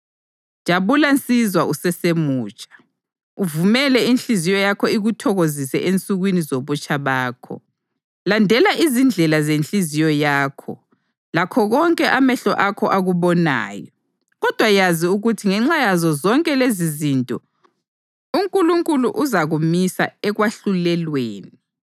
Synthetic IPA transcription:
d͡ʒ̥ʱaβulant͡sʼizwaʔusɛsemuːt͡ʃʼḁ | uvumɛlɛint͡ɬizijɔjakʰɔiɣutʰɔɣozisɛʔent͡sʼuɣwinizoβut͡ʃʼaβaːkʰɔ̰ | landʱɛlaʔizind͡ɮʱɛlazent͡ɬɬizijɔjaːkʰɔ̰ | lakʰɔɣɔŋkʼɛʔamɛɬɔ̰ʔakʰɔ̰ʔaɣuβɔna̰ːjɔ | ɣɔd̥ʱwajaziuɣutʰiŋɛŋ͡ǁajazɔzɔŋkʼɛlezizintʼɔ | uŋkʼuluŋkʼuluʔuzaɣumisa̰ɛɣwaɬulɛlweːni

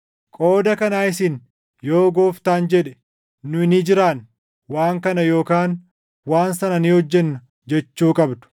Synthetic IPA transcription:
kʼo̞ːd̪ɐkɐnaːɪsɪn | joːɡoːft̪aːnd͡ʒɛᶑɛ̥ | nʊɪnɪd͡ʒɪɾaːn | waːŋkɐnɐjo̞ːkaːn | waːnsɐnɐnihɔd͡ʒːɛnːʊ | d͡ʒɛt͡ʃːuːkʼɐbd̪ʊ̥

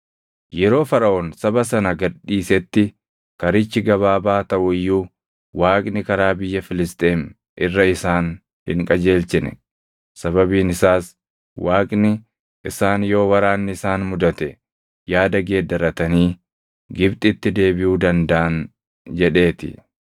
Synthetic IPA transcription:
jɛɾo̞ːfɐɾɐʔoːnsɐbɐsɐnɐɡɐɗːiːsɛt̪ːɪ | kɐɾɪt͡ʃːɪɡɐβaːbaːt̪ɐʔʊɪjːuː | waːkʼnɪkɐɾaːbɪjːɐfɪlɪst̪ʼeːm | ʔɪrːɐɪsaːn | hɪ̰ŋkʼɐd͡ʒe̞ːlsɪnɛ̰ | sɐβɐbiːnɪsaːs | wʔaːkʼnɪ | ʔɪsaːnjo̞ːwɐɾaːnːɪɪsaːnmʊd̪ɐt̪ɛ | jaːd̪ɐɡe̞ːd̪ːɐɾɐt̪ɐniː | ɡɪbt̪ʼɪt̪ːɪd̪e̞ːbɪjuːd̪ɐnd̪ɐʔɐn | d͡ʒɛᶑe̞ːt̪ɪ̰

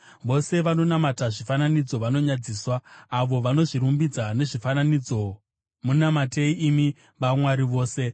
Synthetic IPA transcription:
ʋo̞se̞ʋano̞namataʐifananid͡zo̞ʋano̞ɲad͡ziːswaːʋo̞ʋano̞ʐiɾumbid͡zane̞ʐifananid͡zo̞ | munamateiːmi | ʋamwaɾiʋo̞ːse̞

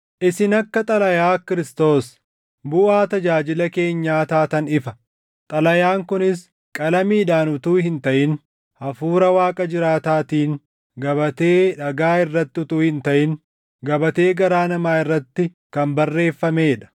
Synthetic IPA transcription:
ʔɪsɪnɐkːɐt̪ʼɐlɐjaːkɪɾɪst̪o̞ːs | bʊʔaːt̪ɐd͡ʒaːd͡ʒɪlɐke̞ːɲːaːt̪aːt̪ɐnɪfɐ | t̪ʼɐlɐjaːŋkʊnɪs | kʼɐlɐmiːᶑaːnʊt̪uːɦɪnt̪ɐʔɪn | hɐfuːɾɐwaːkʼɐd͡ʒɪɾaːt̪aːt̪iːŋ | ɡɐbɐt̪e̞ːᶑɐɡaːɪrːɐt̪ːɪʊt̪uːhɪnt̪ɐʔɪn | ɡɐbɐt̪e̞ːɡɐɾaːnɐmaːɪrːɐt̪ːɪ | kɐmbɐrːe̞ːfːɐme̞ːᶑɐ̥

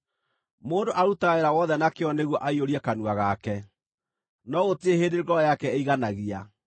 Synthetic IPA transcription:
moːndoʔaɾutaeɾawɔðɛnakeɔneɣwɔʔaioɾiɛkanuaɣakɛ | nɔɣotieɦeːdeɾɡɔjakɛeiɣanaɣia

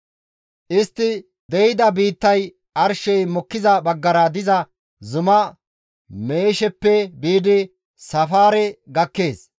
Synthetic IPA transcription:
ʔɪst̪ːɪ | d̪ɛjɪd̪ɐbiːt̪ːɐj | ʔɐɾʃɛjmɔkːɪzɐbɐɡːɐɾɐd̪ɪzɐ | zʊmɐ | me̞ːʃɛpːɛbiːd̪ɪ | sɐfaːɾɛɡɐkːe̞ːs

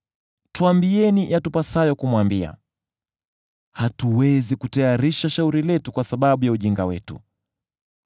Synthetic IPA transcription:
tuambiɛniʔatupasajɔkumwambia̰ | hatuwɛzikutajaɾiʃaʃauɾilɛtukwasaɓaɓujauʄiŋɡawɛ̰tṵ

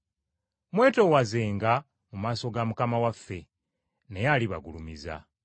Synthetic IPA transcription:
mwe̞ːto̞waze̞ːŋɡa | mumaːso̞ɡamukamawafːe̞ | ne̞jaliβa̰ɡṵlumiza̰

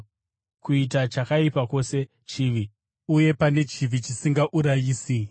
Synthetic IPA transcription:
kuit̬at͡ʃakaipako̞se̞ | t͡ʃiːʋi | uje̞pane̞t͡ʃivʱit͡ʃisiŋɡaʔuɾajiːsi

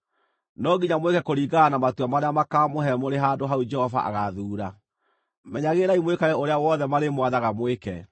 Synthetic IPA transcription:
nɔɡiɲamwekɛkoɾiːɡanamatuamaɾeamakamoɦɛmoɾeɦadoɦaud͡ʒɛhɔva̰ʔa̰ɣaðuːɾa | mɛɲaɣeɾaimwekaɣɛoɾeawɔðɛmaɾemwaðaɣamwekɛ

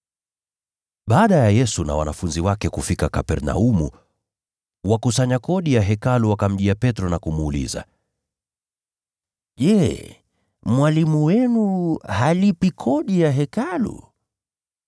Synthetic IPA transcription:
ɓaːɗajajɛsuna̰wa̰nafunziwakɛkufikakapɛɾna̰umu | wakusaɲakɔɗijaɦɛkaluwakam̩ʄiapɛtɾɔnakumuːlḭza̰ | ʄɛ | mwalimuwɛnuhalipikʰɔɗijaɦɛkalṵ

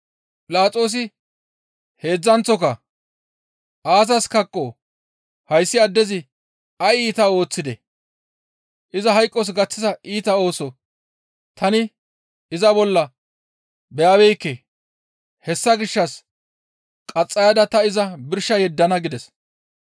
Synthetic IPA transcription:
pʼɪlaːt͡sʼo̞ːs̬ɪ | he̞ːd͡zːɐnt͡sːɔkɐ | ʔaːsɐskɐkʼːoː | hɐjsːɪɐd̪ːɛzɪ | ɐiːt̪ɐo̞ːt͡sːɪd̪ɛ | ʔɪzɐɦɐjkʼːɔs̬ɡɐt͡sːɪzɐʔiːt̪ɐo̞ːsɔ | t̪ʰɐnɪ | ɪzɐbɔlːɐ | bɛjaːbɛjkːɛ | hɛsːɐɡɪʃːɐs | kʼɐt͡sʼːɐjɐd̪ɐt̪ɐɪzɐbɪɾʃːɐjɛd̪ːɐnɐɡɪd̪ɛs

